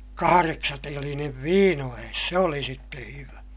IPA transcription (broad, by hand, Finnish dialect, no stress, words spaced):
kɑhɑreksɑtelineʋ ʋiːnoæes se oli sitːe hyʋæ